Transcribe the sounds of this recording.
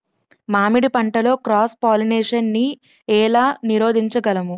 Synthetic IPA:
maːmiɽipɐɳʈɐlo̞ːkɾaːspaːlineːʂɐnːi | ɛːlaːniɾo̞ːd̪ʱiɲt͡ʃɐɡɐlɐmu

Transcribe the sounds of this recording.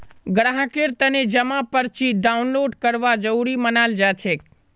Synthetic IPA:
ɡɾaɦəkeɾt̪əned͡ʒəmãpəɾt͡ʃʰiɖaunloɖkəɾʋad͡ʒəuɾimənald͡ʒat͡ʃʰek

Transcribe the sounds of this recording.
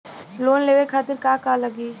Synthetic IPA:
loːnleːʋekʰaːt̪ɪɾkaːkaːləɡiː

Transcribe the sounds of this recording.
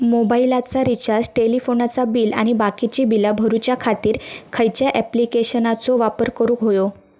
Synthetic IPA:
mobailat͡saɾit͡ɕad͡zʈelifonat͡sabiːla̰ɽ̃ibakit͡ɕiːbilabʱəɾut͡ɕjakʰat̪iːɾkʰəjt͡ɕjaʔɛplikeɕənat͡soʋapəɾkəɾuːkɦojo

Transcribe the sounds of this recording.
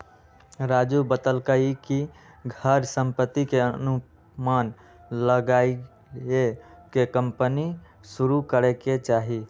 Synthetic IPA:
ɾad͡ʒubət̪əlkəiki | ɡʱəɾsə̃mpət̪ːikeənu | man | ləɡai | ekekəmpəni | suɾukəɾeket͡ʃaːɦi

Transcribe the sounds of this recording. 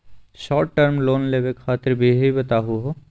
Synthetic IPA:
ʃɔːɾʈːəɾmloːnleːʋekʰaːt̪ɪɾbʱiɦibɐt̪aːɦuɦoː

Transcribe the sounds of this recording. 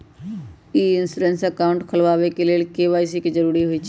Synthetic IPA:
iːɪnsuɾẽnsəkaːʊ̃ɳʈkʰəlʋaːʋekeleːlkeːʋaːɪs̬ikid͡ʒəɾuːɾiɦoiːt͡ʃʰ

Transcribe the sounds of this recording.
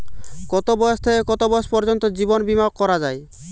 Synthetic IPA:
kɔt̪obɔjɔst̪ʰeekɔt̪obɔjospɔɾd͡ʒɔnt̪ɔd͡ʒibɔnbimaɔkːɔɾad͡ʒaj

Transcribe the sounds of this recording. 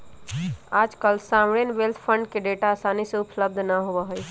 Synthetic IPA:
aːd͡ʒkəlsaːmɽeːnʋelt̪ʰpʰə̃ɳɖkeɖeːʈaːsaːniseʊpləb̚d̪ʱnaɦoʋaɦʊi

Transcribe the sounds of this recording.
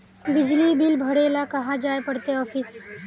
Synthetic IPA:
bɪd͡ʒlibilbʱəɽeːlakɐɦãd͡ʒaːepəɽt̪eɔːfʰis

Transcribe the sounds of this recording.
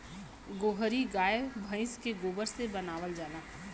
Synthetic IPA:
ɡoːɦəɾiɡaːjebʱə̃ɪ̃skeɡoːbəɾsebɐnaːʋəld͡ʒaːnaː

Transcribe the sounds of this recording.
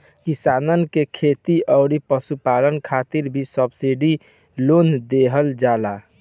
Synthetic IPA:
kisanənkekʰet̪iʔəʊɾipəsupalənkʰat̪iɾbʱisəbsiɖi | lond̪eɦəld͡ʒala

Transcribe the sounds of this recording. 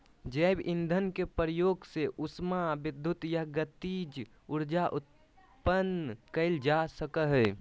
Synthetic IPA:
d͡ʒəɪbʔɪnd̪ʱənkepəɾəjoːɡseʔʊsmabɪd̪ʱːʊt̪jaɦɡət̪id͡ʒ | ʊɾd͡ʒaʔʊt̪̚ | pənkəɪld͡ʒasəkəɦɛ

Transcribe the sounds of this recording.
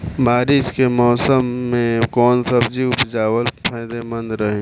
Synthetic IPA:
baːɾɪskemɔːsəmːẽkɔːnsəbd͡ʒiʊpd͡ʒaːwəlpʰaːɪd̪emə̃nd̪ɾəɦẽː

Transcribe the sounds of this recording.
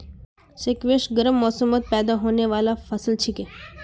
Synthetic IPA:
ʃekʋeʃɡəɾəmːɔːsəmət̪̚pɛːd̪aɦoneʋalafəsəlt͡ʃʰike

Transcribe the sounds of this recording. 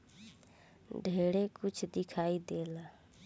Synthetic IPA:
ɖʱeːɽekʊt͡ʃʰd̪ɪkʰaːid̪eːla

